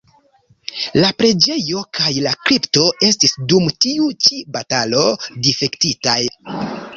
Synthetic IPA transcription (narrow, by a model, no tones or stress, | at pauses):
lapɾe̞d͡ʒe̞jo̞kʰajlakɾipto̞e̞s̬tisdumtiut͡ʃibatalo̞dife̞ktitaj